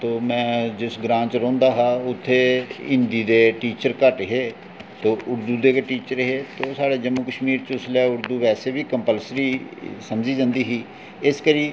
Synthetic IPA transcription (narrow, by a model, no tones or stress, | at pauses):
t̪oːmɛ̃ːd͡ʒɪsɡɾãːt͡ʃɾɔ̃ːnd̪aːɦaːʊt̪ʰːeːɪnd̪iːd̪eːʈiːt͡ʃəɾkəʈɦeː | t̪oːʔʊɾd̪uːd̪eːkʈiːt͡ʃəɾɦeːt̪oːsaːɽeːd͡ʒəmːuːkəʃmiːɾt͡ʃʊslɛːʊɾd̪uːʋɛːseːbiːkəmpəlsɾiːsəmd͡ʒiːd͡ʒãːnd̪iːɦiː | ɪskəɾiː